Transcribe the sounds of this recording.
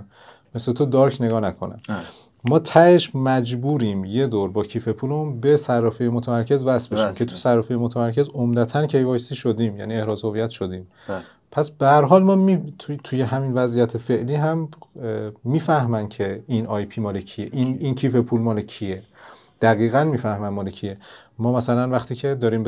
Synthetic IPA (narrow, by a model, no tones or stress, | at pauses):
meslet̪ʰod̪ɒɾkʰne̞ɡɒːnækʰo̞næ̰m | mɒːt̪ʰæʔeʃmæd͡ʒbuːɾiːmje̞d̪oɾbɒːcʰiːfe̞pʰuleunbe̞særːɒːfejemot̪ʰæmæɾcʰe̞zvæsbeʃiːmcʰe̞t̪ʰusærːɒfejemot̪ʰæmæɾcʰe̞zomd̪æt̪ʰæncʰe̞jvɒːjsiːʃod̪iːmjæ̰niehɾɒːzhovijæt̪ʃod̪iːm | pʰæsbehæɾɦɒːlmɒːmit̪ʰujeɦæminvæzijæt̪ʰefe̞ʔliːɦæmː | iːfæhmæncʰe̞inʔɒːjpʰiːmɒːlecʰijeʔinincʰiːfepʰuːlmɒːlecʰie̞ | d̪̥æɣiːɣænmiːfæhmænmɒːlecʰijemɒːmæsælænvæxt̪ʰiːcʰe̞d̪ɒːɾiːmb